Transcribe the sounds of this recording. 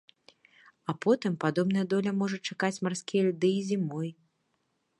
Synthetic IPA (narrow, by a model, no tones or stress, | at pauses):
ɐpɔt̪ɨmpad̪ɔbn̪ɐjɐd̪ɔlʲɐmɔʐɐt͡ʂakat͡sʲmarsʲkʲijɐlʲd̪ɨizʲimɔj